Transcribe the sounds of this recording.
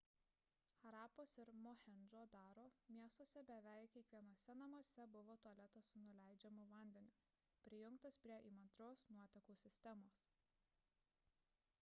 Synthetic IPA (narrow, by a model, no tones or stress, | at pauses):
xɐɾɑːpoːsɪɾmɔhʲɛnʲʒoːd̪ɑːɾoːmʲiɛst̪oɔsʲɛbʲɛʋʲæˑɪkʲɛɪkʋʲiɛnoɔsʲɛnɐmuɔsʲɛbʊʋoːt̪uɐlʲɛt̪ɐsʊnʊlʲæɪd͡ʒʲɛmʊʋɐˑnʲd̪ʲɛnʲʊ | pʲɾʲɪjʊŋkt̪ɐspʲɾʲiɛʔimɐnt̪ɾoːsnuɔt̪ʲɛkuːsʲɪsʲt̪ʲɛmoːs